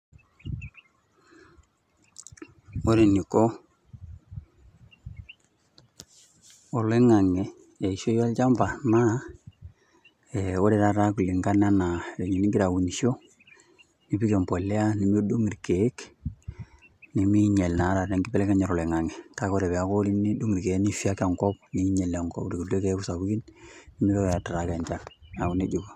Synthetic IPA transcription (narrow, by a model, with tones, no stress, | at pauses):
o˦ɾe˨ni˨ko˦ | o˨le˦ŋa˨ŋɛ˨ | e˨i˨ʃo˦ja˦lt͡ʃa˦mba˨na˦ | eo˦ɾe˨ɾa˨ɾa˦ku˨li˨ŋɡa˦na˦na˨ɾe˨ɲi˨ni˦ŋɡi˦ɾa˨wu˨ni˨ʃo˦ | ni˨pi˦ke˨mpo˨le˦a˦ni˨mi˦du˦ŋi˨ɾke˨e˦k | ni˨mi˦ɲe˨lna˨˦ɾa˨ɾe˨ŋɡi˦pɛ˦lɛ˦ka˦ɲɛ˨ɾɔ˨le˨ŋa˨ŋɛ˨ta˦ko˦ɾɛ˨βɛ˨a˨˦ko˦li˦ni˦du˦ŋi˨ɾke˨˦ni˦fi˦a˦ka˨ŋkɔ˦p̚ni˦ɲe˨la˨ŋkɔ̰˦pɾi˨ku˨lu˦e˦ke˨˦ku˦sa˨bu˦ki˦nni˨mi˦βɛ˦˨ja˨ta˨ɾa˨ka˨ɲt͡ʃa˦na˨u˨ne˦d͡ʒu˨ka˨